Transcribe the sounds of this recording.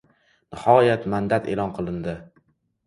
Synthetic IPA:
nɪhɒjat̪mand̪at̪ʰe̞lˠɒnqʰɨlˠɪnd̪ɪ

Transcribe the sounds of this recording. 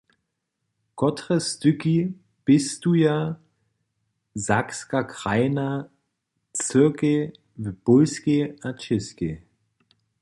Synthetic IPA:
kʰɔtʁɛstʏki | b̥ɪstuja | zakskakʁ̥aɪna | t͡sɪɐke | vb̥ʊlskeat͡ʃɪske

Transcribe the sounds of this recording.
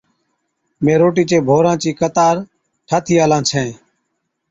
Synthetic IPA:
mẽːɾoːʈ̬iːt͡ʃeːbʱoːɾãːt͡ʃiːkət̪aːɾ | ʈʰaːt̪ʰiːaːlãːt͡ʃʰẽː

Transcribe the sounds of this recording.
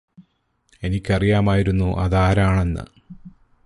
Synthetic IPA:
e̞nikʲːɐrijaːmaːjiɾunːuʔɐ̰ðaːɾaːɳe̞nːɨ̰

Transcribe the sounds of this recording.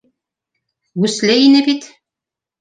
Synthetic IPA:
ɡʉslæjinɘbit̪

